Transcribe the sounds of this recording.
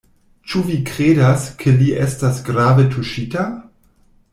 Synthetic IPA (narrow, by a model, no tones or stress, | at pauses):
t͡ʃuvikɾeːdaskʰeliʔestasɡɾavetʰuʃita